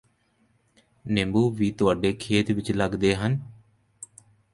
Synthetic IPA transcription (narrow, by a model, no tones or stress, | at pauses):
nɪmbuːʋiːt̪ʊaːɖeːkʰeːt̪ʋɪt͡ʃləɡd̪eːɦən